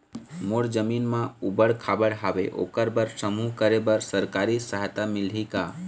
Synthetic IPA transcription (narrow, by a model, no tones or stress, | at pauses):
moɽd͡ʒəminmãubəɽkʰabəɽɦabeʔo̰kəɾbəɾsəmuɦkəɾebəɾsəɾkaɾisəɦt̪amilɦika